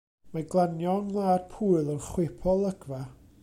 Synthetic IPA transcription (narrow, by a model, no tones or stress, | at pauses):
maɡlˠanjɔnlˠaːd̥̚pʰuːɨlˠənχwɪpʰɔlˠəɡ̥va